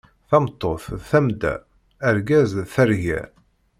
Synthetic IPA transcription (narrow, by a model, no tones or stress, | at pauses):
θɑmt̪ˤːoθθæmd̪æ̰ː | ɾɡæzθæɾʝæ̰